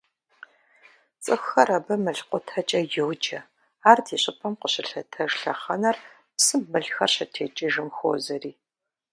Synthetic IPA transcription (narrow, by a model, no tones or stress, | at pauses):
t͡sʼɨxɐɾɐbɐmɨɬqʷʼʊtʰɐt͡ʃʼɐjowd͡ʒɐ | aːrtʰiːɕʼɪpʰɐmqəɕɪɬɐtʰɐʒɬɐχɐnɐr | psɨmːɨɮxɐrɕɐtʰeːt͡ʃʼiʒɨmxo̰ːzɐriː